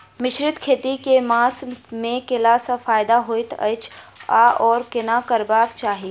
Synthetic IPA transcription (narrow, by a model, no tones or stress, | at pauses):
mɪʃɾɪt̪kʰeːt̪ikemaːsmẽkɪlasafaːjd̪aɦoːɪt̪ɐ̰ɪt͡ʃʰaʔɔːɾkɪnakɐɾbaːkt͡ʃaːɦie